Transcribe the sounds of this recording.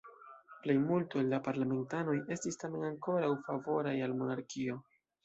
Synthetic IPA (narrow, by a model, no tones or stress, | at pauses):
ple̞jmultoelːapaɾlame̞ntano̞je̞stistame̞naŋko̞ɾawfavo̞ɾajalmo̞naɾkio̞